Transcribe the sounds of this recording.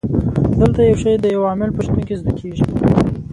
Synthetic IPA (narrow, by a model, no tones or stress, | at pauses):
d̪əlt̪ajawʂajd̪əjawɑmɪlpəʃt̪unkizd̪əkʰeʐi